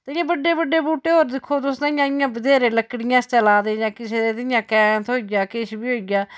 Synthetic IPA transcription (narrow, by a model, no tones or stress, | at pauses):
t̪aɪjãːbəɖːeːbəɖːeːbuːʈeːɦoːɾd̪ɪkʰːoːt̪ʊsd̪ãːɪjãːɪjãːbəd̪eːɾeːləkːɽɪjãːst͡ʃəlaːd̪eːjãːkɪseːd̪eːt̪ɪɪjãːkɛ̃ːnt̪ɦoːiɡaːkeːʃbiːɦoːiɡaː